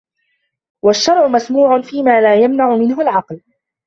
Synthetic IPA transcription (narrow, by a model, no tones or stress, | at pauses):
waʃːɑɾˤʕʊmasmuːʕʊnfiːmaːlaːjamnaʕʊmɪnɦʊlʕɑql